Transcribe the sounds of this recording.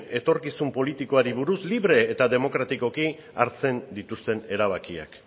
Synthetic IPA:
e̞t̪o̞ɾkisumpo̞lit̪iko̞aɾiβ̞uɾusliβɾe̞ːt̪aðe̞mo̞kɾat̪iko̞ki | a̰ɾt͡se̞nd̪it̪ust̪e̞ne̞ɾaβ̞akia̰k

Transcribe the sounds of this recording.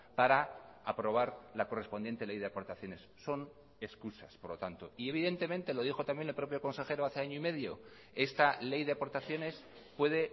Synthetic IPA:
paɾaapɾo̞β̞aɾlako̞re̞sponjent̪e̞le̞jðeapo̞ɾt̪aθjo̞ne̞sːo̞n | e̞skusaspoɾlo̞t̪ant̪o̞ie̞β̞iðe̞nt̪e̞mẽ̞nt̪e̞lo̞ð̞ixo̞t̪amje̞nelpɾo̞p̬jo̞ko̞nse̞xe̞ɾoaθeaɲoime̞ðjo | e̞st̪ale̞jðe̞apo̞ɾt̪aθjo̞ne̞s | pwe̞ð̞e̞

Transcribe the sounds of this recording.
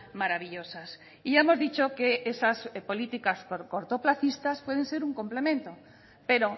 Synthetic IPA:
maɾaβiʎosas | iaemozðit͡ʃokeesaspolit̪ikaskoɾkoɾt̪oplaθist̪aspwɛð̞ẽnseɾuŋkomplemẽnt̪o | peɾo

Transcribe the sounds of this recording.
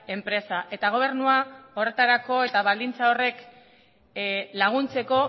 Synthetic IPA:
e̞mpɾe̞saʔe̞t̪aɣ̞o̞β̞e̞ɾnuao̞re̞t̪aɾako̞e̞t̪aβald̪int͡saore̞k | laɣ̞unt͡se̞ko̞

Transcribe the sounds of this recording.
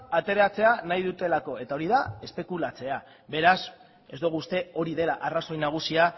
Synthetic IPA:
at̪e̞ɾat͡se̞anajðut̪e̞lako̞e̞t̪ao̞ɾiðae̞spe̞kulat͡se̞a | βe̞ɾas | e̞zd̪oɣust̪e̞o̞ɾiðe̞laʔaraso̞jnaɣ̞usia

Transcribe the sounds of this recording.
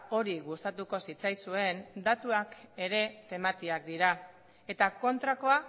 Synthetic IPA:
o̞ɾiɣust̪at̪uko̞sit͡sajsue̞nd̪at̪uake̞ɾe̞t̪e̞mat̪iak̚d̪iɾa | e̞t̪ako̞nt̪ɾako̞a

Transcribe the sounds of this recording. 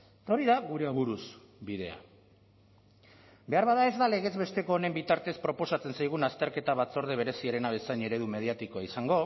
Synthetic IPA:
et̪ao̞ɾiðaɣuɾeaβuɾuz | biðe̞a̰ | be̞aɾβaðae̞zd̪ale̞ɣ̞e̞zβe̞st̪e̞ko̞ːnembit̪aɾt̪e̞spɾo̞po̞sat͡se̞nsajɣ̞unast̪e̞ɾke̞t̪aβat͡so̞ɾð̞eβ̞e̞ɾe̞siaɾe̞naβesaɲe̞ɾe̞ðume̞ð̞iat̪ikoaisaŋɡo̞

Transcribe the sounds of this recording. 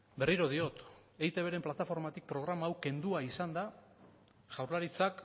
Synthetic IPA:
be̞riɾo̞ð̞io̞t̪ejt̪e̞β̞e̞ɾe̞mplat̪afo̞ɾmat̪ik̚pɾo̞ɣ̞ɾamaːwke̞nd̪uaisand̪a | ʝawɾlaɾit͡sak

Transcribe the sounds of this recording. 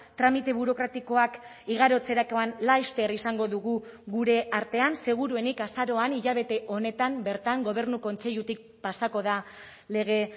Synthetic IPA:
t̪ɾamit̪e̞βuɾo̞kɾat̪iko̞ak | iɣ̞aɾo̞t͡se̞ɾakoanlajst̪e̞ɾisaŋɡo̞ðuɣuɣuɾe̞aɾt̪e̞anse̞ɣ̞uɾue̞nikasaɾo̞aniʎaβ̞e̞t̪e̞ʔo̞ne̞t̪ambe̞ɾt̪aŋɡo̞β̞e̞rnuko̞nt͡se̞ʎut̪ik̚pasako̞ða | le̞ɣ̞e̞

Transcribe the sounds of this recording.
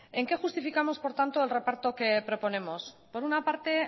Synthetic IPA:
e̞ŋke̞xust̪ifikamo̞spo̞ɾt̪ant̪o̞elre̞paɾt̪o̞ke̞pɾo̞po̞nẽ̞mos | po̞ɾunapaɾt̪e̞

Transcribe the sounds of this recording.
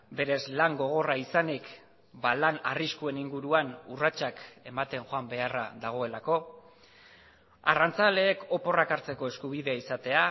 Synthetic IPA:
be̞ɾe̞zlaŋɡo̞ɣ̞o̞raisanik | balana̰riskue̞niŋɡuɾuanurat͡ʃake̞mat̪e̞ŋxoambe̞ara̰ðaɣ̞o̞e̞lako̞ | a̰rant͡sale̞ːko̞po̞rakaɾt͡se̞ko̞e̞skuβ̞iðe̞aisat̪e̞a

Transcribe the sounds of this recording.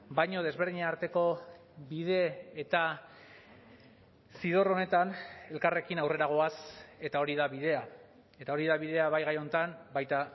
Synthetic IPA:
bajɲo̞ð̞e̞zβe̞ɾðiɲaːɾt̪e̞ko̞ | biðe̞ːt̪a | siðo̞ro̞ne̞t̪ane̞lkare̞kinawre̞ɾaɣ̞o̞ase̞t̪ao̞ɾiðaβið̞e̞a | e̞t̪aoɾiðaβiðe̞aβajɣajo̞nt̪anbajt̪a

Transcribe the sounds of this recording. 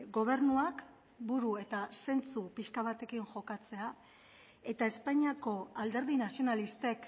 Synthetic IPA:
ɡo̞β̞e̞ɾnuak | buɾue̞t̪ase̞nt͡supiʃkaβat̪e̞kiŋʝo̞kat͡se̞a | e̞t̪ae̞spaɲiako̞ald̪e̞ɾð̞inasio̞nalist̪e̞k

